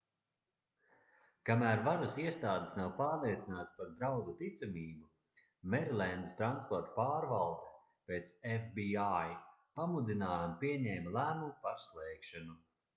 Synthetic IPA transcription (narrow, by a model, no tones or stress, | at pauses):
kamæːɾvaɾasiɛst̪aːd̪esnawpaːɾlˠiɛt̪sinaːt̪spaɾd̪ɾawd̪ut̪it̪samiːbu | mɛɾlʲˠɛnd̪ist̪ɾanspɔɾt̪paːɾvalˠd̪e̥ | peːt̪sɛfbiajpamud̪inaːjampiɛɲɛːmalˠæːmumpaɾslˠɛːkʃanu